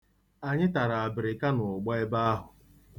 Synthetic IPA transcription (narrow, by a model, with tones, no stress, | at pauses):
a˨ɲɪ˦ta˨ɾa˨a˨bɪ˨ɾɪ˨ka˦nʊ˨ɡ͡bɔ˦ɪ˦ba˦a˦ɦʊ˨